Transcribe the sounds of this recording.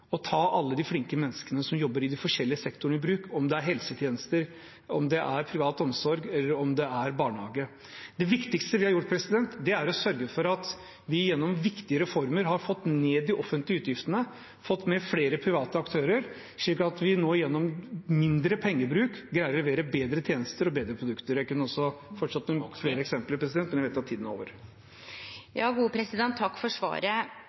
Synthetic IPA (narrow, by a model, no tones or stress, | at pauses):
ɔt̪ʰɑːʔɑlːəd̪ɪflɪŋkəmɛnːəskənəsɔmjɔbːəɾɪd̪ɪfɔʂɛlːɪəsɛkt̪ʊɳ̩ɪbɾʉːkɔmd̪ɛæɾɦɛlsət̪ʰjeːnəst̪əɾ | ɔmd̪ɛʔæɾpʰɾɪʋɑːt̪ɔmsɔɾɡɛlːəɾɔmd̪ɛæɾbɑːɳhɑ̰ːɡə | d̪ɛʋɪkt̪ɪkst̪əʋɪhɑɾjʊʈːpʰɾɛsɪd̪ɛnt̪d̪ɛæɾɔsœɾɡəfɔɾɑt̪ | ʋɪjɛnːɔmʋɪkt̪ɪəɾɛfɔɾməɾɦɑɾfɔt̪ːneːd̪ːɪʔɔfːənt̪lɪəʉːt̪jɪft̪ənə | fɔt̪ːmɛfɽeːɾəpʰɾɪʋɑːt̪əɑkt̪ʰøːɾəɾ | ʂɭiːkːɑt̪ʋɪnoːɪjɛnːɔmmːɪnd̪ɾəpʰɛŋːəbɾʉːkɡɾæɪəɾʋeːɾəbeːd̪ɾət̪ʰjeːnəst̪əɾɔbeːd̪ɾəpʰɾʊd̪ʉkt̪əɾjæɪkʉnːəɾɔsɔfɔʈʂɑt̪ːmɛfleːɾəɛksɛmpələɾpʰɾɛs̬d̪ɛnmɛnɛʋɛɪt̪ːɑt̪ʰiːd̪n̩o̰ːʋəɾ | jɑːɡuːpʰɾɛsɪd̪ɛnt̪ʰːɑkːfɔʂʋɑ̰ːɾə